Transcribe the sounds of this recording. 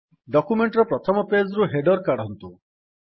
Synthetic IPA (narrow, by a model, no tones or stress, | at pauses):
ɖɔkumeɳʈɾɔpɾɔt̪ʰɔmɔped͡zɾuɦeɖɔɾkaɽɔɦɔnt̪u